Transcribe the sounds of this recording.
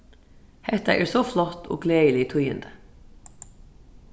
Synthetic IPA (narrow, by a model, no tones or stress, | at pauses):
hɛt̪ɑ̰ʔæːɹsoflɔt̪ʰo̰ːɡleːəlɪt̪ʰʉjə̰nd̪ə